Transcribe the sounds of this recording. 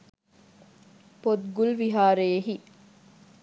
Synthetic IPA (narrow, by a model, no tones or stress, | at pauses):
pod̪ɡulʋiɦaːɾeeɦi